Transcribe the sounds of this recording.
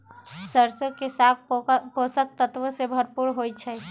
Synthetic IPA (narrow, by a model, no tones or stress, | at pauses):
səɾsəkesak̚posək̚t̪ət̪ʋəsebʱəɾpuɾɦojt͡ʃʰɛ